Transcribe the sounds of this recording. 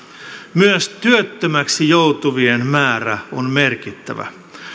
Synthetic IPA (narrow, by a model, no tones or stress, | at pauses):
myøst̪yøt̪ːømæksijowt̪uʋienmæːɾæonmerkit̪ːæ̰ʋæ̰